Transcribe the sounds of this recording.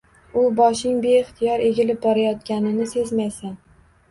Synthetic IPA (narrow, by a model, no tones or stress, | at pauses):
ʊbɒʃnɪŋbe̞ɪχt̪ʰɪjɒɾe̞ɡʲɪlɪp̚bɒɾajɒt̪̚kʲanɪnɪse̞zmajsan